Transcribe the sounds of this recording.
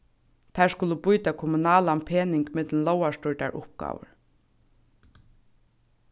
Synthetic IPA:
t̪ʰaɹskʊləbʊjt̪akʰɔmʊnaːlanpʰeːnɪŋkmɪt̪lnlɔwaʂtʊɹʈa̰ɹʔʊpɡ̥a̰ːʋə̰ɹ

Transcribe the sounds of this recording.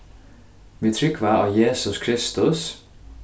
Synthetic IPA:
miːt̪ʰɾʏkʰʋæːʔɑ̰ːjeːsʊskʰɾɪst̪ʊs

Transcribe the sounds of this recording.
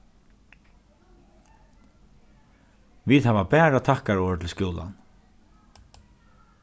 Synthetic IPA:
viːðhaːvapɛːɾat̪ʰahkaɹɔːʋɪt̪ʰɪlskjuːla̰n

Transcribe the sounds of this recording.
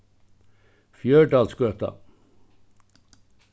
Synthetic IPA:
fjøːɖɑːlskœt̪ɑ̰

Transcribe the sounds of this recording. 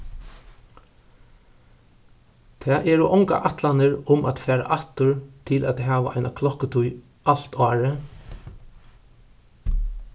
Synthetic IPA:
t̪ʰɛːʔɛɹɔʔɔŋka̰ʔat̪lanɪɹʊmʔa̰t̪fæːɾa̰ʔat̪ʊɹt̪ʰɪlʔɛt̪ɦaːʋa̰ʔa̰jnakʰlɔhkət̪ʰʊj | ʔal̥t̪ɑːɹə

